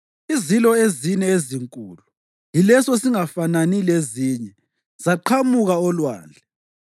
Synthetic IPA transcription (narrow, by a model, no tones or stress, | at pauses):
izilɔezinɛeziŋkʼṵːlu | jilɛsɔsiŋafananileziːɲɛ | z̥aǃʰamuɣaɔlwa̰ːnd͡ɮʱɛ